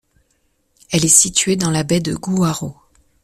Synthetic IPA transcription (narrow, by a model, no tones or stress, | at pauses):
ɛlɛsit̪ɥed̪ɑ̃labɛd̪əɡuaʁo